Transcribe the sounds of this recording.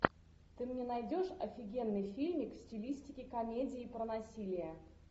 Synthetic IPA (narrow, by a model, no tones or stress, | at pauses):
t̪ɨmnʲɛnɐjdʲoʂɐfʲɪɡʲe̞nːɨjfʲilʲmʲɪkfsʲtʲɪlʲisʲtʲɪkʲɪkɐmʲedʲɪːpɾənɐsʲilʲɪjə